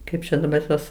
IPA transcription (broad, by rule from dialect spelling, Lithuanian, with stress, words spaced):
ˈkɐɪp t͡ʃʲɛ dɐˈbɐr ˈtuɔs